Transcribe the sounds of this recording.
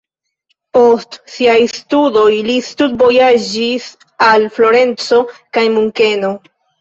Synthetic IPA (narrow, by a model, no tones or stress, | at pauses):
po̞stsiajstudo̞jlistud̚bo̞jad͡ʒis | alflo̞ɾe̞nt͡so̞kajmuŋke̞no̞